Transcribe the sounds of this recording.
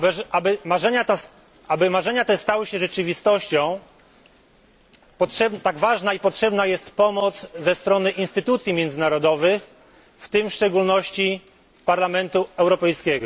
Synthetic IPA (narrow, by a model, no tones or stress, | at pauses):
abɛabɘmaʐɛɲat̪as | abɘmaʐɛɲat̪ɛst̪awɘɕɛʐɛt͡ʂɘvʲist̪ɔɕt͡ɕɔ̃w̃ | pɔtʂɛbt̪aɡvaʐnaipɔtʂɛbnajɛst̪pɔmɔt̪zzɛst̪ɾɔnɘʔinst̪ɘt̪ut̪sʲjimʲjɛnd̪zɘnaɾɔd̪ɔvɘx | ft̪ɘmfʂt͡ʂɛɡulnɔɕt͡ɕi | paɾlamɛnt̪uɛwɾɔpɛjskʲɛɡɔ